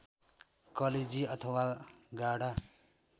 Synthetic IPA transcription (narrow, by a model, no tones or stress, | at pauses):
kʌled͡ziʌt̪ʰʌwaɡaɽa